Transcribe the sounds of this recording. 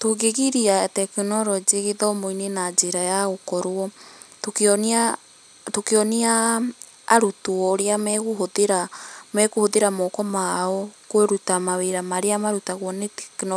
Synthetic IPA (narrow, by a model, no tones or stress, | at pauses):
toɣeɣiɾiatɛkinɔɾɔd͡ʒiɣeðɔmoinenad͡ʒeɾajaɣokɔɾwɔ | tokeɔna | tokeɔniaː | ɾutuɔɾeamɛɣohoðeɾamɛkohoðeɾamɔkɔmaɔkweɾutamaweɾamaɾeamaɾutaɣwɔnetɛknɔ